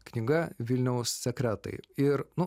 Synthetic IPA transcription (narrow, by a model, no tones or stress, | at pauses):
knʲɪɡɐʋʲɪlʲnʲɛʊsːʲɛkɾʲæt̪ɐ̰ɪɪɾnʊ